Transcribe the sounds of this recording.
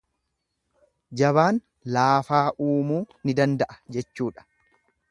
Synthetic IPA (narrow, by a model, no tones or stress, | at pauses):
d͡ʒɐβaːn | laːfaːʔuːmuː | nɪd̪ɐnd̪ɐʔɐ̥d͡ʒɛt͡ʃːuːᶑɐ̥